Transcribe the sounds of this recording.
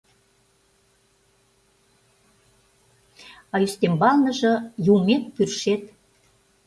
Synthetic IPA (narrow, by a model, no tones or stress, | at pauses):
ɑyst̪embɑlnə̆ʒɤ̆jumek̚pyrʃet̪